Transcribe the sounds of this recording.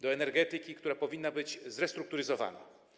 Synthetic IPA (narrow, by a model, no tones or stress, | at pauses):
d̪ɔɛnɛɾɡɛt̪ɘkʲikt̪uɾapɔvʲinːabɘd͡ʑzɾɛst̪ɾuk̚t̪uɾɘzɔva̰na̰